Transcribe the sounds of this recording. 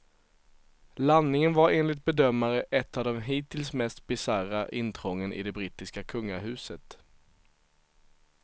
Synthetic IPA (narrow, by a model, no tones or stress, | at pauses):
lanːɪŋənvaɾeːnlɪt̪̚bɛd̪œmːaɾəʔɛt̪ːavd̪ɛmɦiːt̪ɪlsmɛst̪bɪsaɾaʔɪnt̪ʰɾɔŋːənʔɪ̰d̪ɛbɾiːt̪ːɪskakʰɵŋːaɦʉ̟ːsət̪